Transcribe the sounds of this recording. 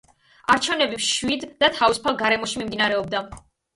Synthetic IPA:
aɾt͡ʃʰɛvnɛbimʃwid̪ːat̪ʰavisu̥pʰalˠɡaɾɛmɔʃimimd̪inaɾɛɔb̚d̪a

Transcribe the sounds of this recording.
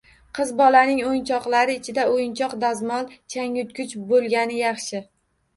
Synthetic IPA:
qʰɨzbɒlanɪŋojnt͡ʃʰɒqlˠaɾɪːt͡ʃʰɪd̪aojɪnt͡ʃʰɒqd̪azmɒlˠt͡ʃʰaŋʊt̪̚kʰʲʊt͡ʃbolˠɡʲanɪjɑχʃɪ

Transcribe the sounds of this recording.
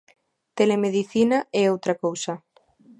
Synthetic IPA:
t̪elemeðiθinaɛowt̪ɾakowsɐ

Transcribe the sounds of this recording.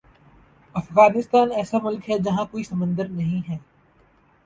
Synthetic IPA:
ɐfɣaːnɪst̪aːnɛːsamʊlkɦɛd͡ʒɐɦãkoːisɐmə̃nd̪əɾnɐɦĩɦɛː

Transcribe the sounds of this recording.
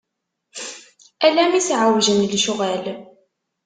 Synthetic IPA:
ælæmisʕəwʒənlʃuʁæl

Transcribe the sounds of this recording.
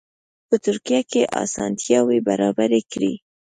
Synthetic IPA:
pət̪ʊɾkijakeʔɑ̰sɑnt̪jɑwebaɾɑbaɾekɽḭ

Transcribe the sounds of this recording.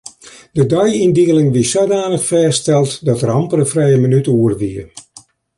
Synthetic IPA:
dədœjindiəlɪŋʋisodaːnəxfɛːstɛlˠtdɔtrɑmpərəfrɛjəmənytuərʋiə

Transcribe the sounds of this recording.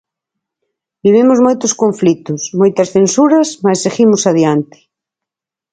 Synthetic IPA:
biβ̞imʊzmojt̪ʊskõɱflit̪ʊsmojt̪ɐsθensuɾɐsmasːeɣimʊsaðjant̪ɪ̥

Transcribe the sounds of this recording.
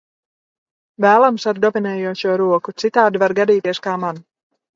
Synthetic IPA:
væːlˠamsaɾd̪ɔvinɛːjuɔʃuɔɾuɔkut̪sit̪aːd̪ivaɾɡad̪iːt̪iɛskaːman

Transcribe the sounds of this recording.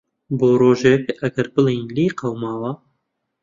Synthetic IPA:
boːɾoːʒekɐɡɐɾbɨlijnliːqɐwmaːwɐ

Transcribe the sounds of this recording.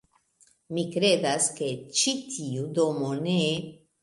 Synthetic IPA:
mikɾe̞daske̞t͡ʃitʰiudo̞mo̞ne

